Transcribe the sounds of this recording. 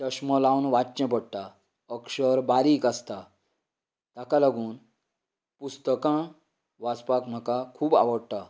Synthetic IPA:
təɕməlawnʋat͡ɕɛ̃pəɽt̪a | əkʂəɾbaɾiːkast̪a | t̪akalaɡuːn | pust̪əkã | ʋat͡spakm̤akakʰuːba̰ʋəɽʈ̪a

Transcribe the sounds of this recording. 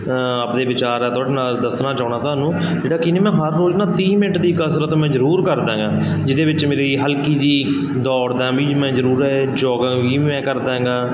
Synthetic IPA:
aːpd̪eːʋɪt͡ʃaːɾɛːt̪oːɖeːnaːld̪əsnaːt͡ʃaːʊnaːt̪ʊɦaːnũːd͡ʒeːɽaːkɪnẽːmɛ̃ːɦəɾːoːd͡ʒnaːt̪ĩːmɪnəʈd̪iːkəsɾət̪mɛ̃ːzəɾuːɾkəɾd̪ãːɡãːd͡ʒɪd̪eːʋɪt͡ʃmeːɾiɦəlkiːd̪iː | d̪ɔːɽd̪abiːmɛ̃ːzəɾuːɾɛː | d͡ʒɔːɡãːʋiːmɛ̃ːkəɾd̪aːɦːɡaː

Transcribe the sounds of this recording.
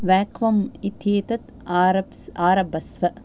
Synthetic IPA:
ʋæːkʰʋɐmit̪jeːt̪ɐt̪ | aɾɐbsaːɾɐbɐsʋɐ

